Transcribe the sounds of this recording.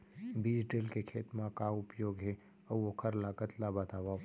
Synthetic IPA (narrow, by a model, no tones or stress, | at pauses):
bid͡ʒɖeːlkekʰeːt̪mãkaʊpjoːɡɦe | əwokʰəɾlaɡət̪labət̪aʋa